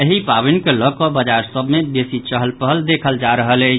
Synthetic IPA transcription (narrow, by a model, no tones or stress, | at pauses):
əɦipabinkeləkɔbəd͡ʒaɾsəbʱmeb̪esit͡ʃəɦəlpəɦəld̪ekʰəld͡ʒaɾəɦələɪt͡ʃʰ